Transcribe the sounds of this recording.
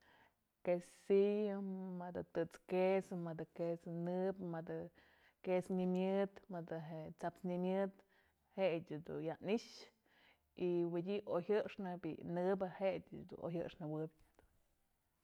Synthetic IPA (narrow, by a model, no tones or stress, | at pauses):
kesijɨmɨd̪ɨt̪ɨt͡skesmɨd̪ɨkesnɨbmɨd̪ɨ | kesɲimʲjɨd̪mɨd̪ɨɦet͡sapsɲimʲɨd̪ | hedʲɨd̪ṵnjaniʃ | iwidʲiʔohɨʂnɨbḭnɨbɨhedʲɨd̪ṵo̰ɦɨ̰ʔʂnɨwɨbʲ | d̪u